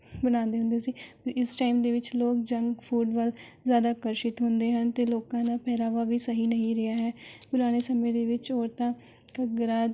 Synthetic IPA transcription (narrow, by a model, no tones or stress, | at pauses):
bənãːnd̪eːɦʊnd̪eːsiːpəɾɪsʈaːɪmd̪eːʋɪt͡ʃloːk̚d͡ʒəŋɡpʰuːɖʋəlzjaːd̪aːkəɾʃɪt̪ɦʊnd̪eːɦənt̪eːloːkãːnaːpʰɛːɾaːʋaːʋiːsəɦiːnəɦĩːɾɪaːɦɛːpʊɾaːñeːsəmẽːd̪eːʋɪt͡ʃɦoːɾt̪ãː | kəɡɾaː